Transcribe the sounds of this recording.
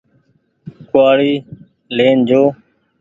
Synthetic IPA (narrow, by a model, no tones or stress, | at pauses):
kʊwaːɽiː | leːnd͡ʒoː